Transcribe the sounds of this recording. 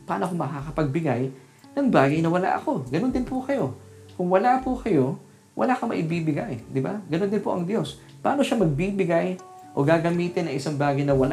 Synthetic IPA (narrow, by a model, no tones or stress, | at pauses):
paːnoɐkomɐkakɐpɐɡ̚bɪɡaj | nɐŋbaːɡɐjnɐwɐla̰ʔɐko̞ɡɐno̞nd̪ɪnpʊkɐjo̞ | kʊŋwɐlapʊkɐjo̞ | wʔɐ̰laːkɐmɐ̰ʔɪbiːbɪɡajd̪ɪbaɡɐno̞nd̪ɪnpoʔɐŋd̪jo̞s | paːno̞ʃamɐɡ̚bibɪɡaj | ʔo̞̰ɡaːɡɐmiːt̪ɪnːɐŋɪsaŋbaːɡɐjnɐwɐla̰ʔ